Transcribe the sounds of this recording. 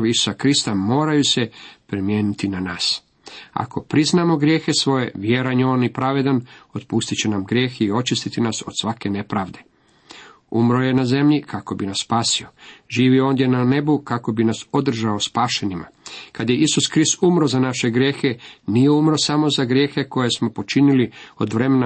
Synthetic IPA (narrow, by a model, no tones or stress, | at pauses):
ʋisu̥sakɾist̪amo̞ːɾajuse̞pɾimjeːnit̪inanaːs | a̰kʰo̞pɾiznaːmo̞ɡɾje̞ːxesʋo̞je̞ʋjeɾaɲeo̞nipɾaʋe̞d̪ano̞t̪pust̪it͡ɕe̞namɡɾje̞ːxio̞t͡ʃist̪it̪inaso̞̰d̪sʋake̞ne̞pɾaːʋd̪e̞ | umɾo̞je̞naze̞mʎikʰako̞binasːpaːsio̞ʒiːʋio̞ːnd̪je̞nane̞bukako̞binaso̞d̪r̩ʒaospaːʃe̞nima̰kad̪jeʔisuskɾist̪umɾo̞zanaʃe̞ɡɾje̞ːxe̞nijeumɾo̞samo̞zaɡɾje̞ːxe̞ko̞je̞smo̞po̞t͡ʃinilio̞d̪ʋɾe̞mena